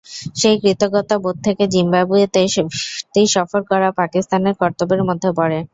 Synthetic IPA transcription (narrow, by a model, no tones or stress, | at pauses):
ʃejkɾit̪oɡɔt̪abod̪̚t̪ʰːeked͡ʑimbabue | t̪ejʃɔfoɾkɔɾapakist̪aneɾkɔɾt̪obeɾmod̪ʱːepɔɾe